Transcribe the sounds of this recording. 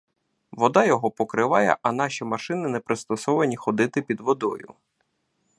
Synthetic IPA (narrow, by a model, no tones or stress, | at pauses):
ʋɔd̪ɑjɔɦɔpɔkɾɪʋɑjɛ̰ʔɐn̪ɑʃʲimɐʃɪnɪnɛpɾɪst̪ɔsɔʋɐnʲixɔd̪ɪt̪ɪpʲid̪ʋɔd̪ɔ̰jʊ̰